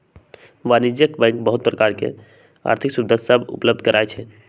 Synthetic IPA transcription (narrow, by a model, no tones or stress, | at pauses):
ʋanid͡ʒjəkbɛ̃ŋkbəɦut̪̚pɾəkaɾkḛ | a̰ɾt̪ʰiksud̪əsəbṵpləb̚d̪ʱkəɾʔaet͡ʃʰɛ